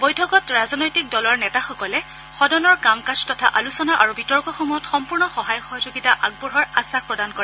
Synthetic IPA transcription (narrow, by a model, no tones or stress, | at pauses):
bojtʰɔkɔtɹazɔnɔjtik̚dɔlɔɹnɛtaxɔkɔlɛ | xɔdɔnɔɹkamkastɔtʰaʔalusɔnaʔaɹubitɔɹkɔxɔmuɦɔtxɔmpuɹnɔxɔɦajɔxɔɦɔzoɡitaʔaɡ̚bɔɹɦɔɹasak̚pɹɔdankɔɹɛ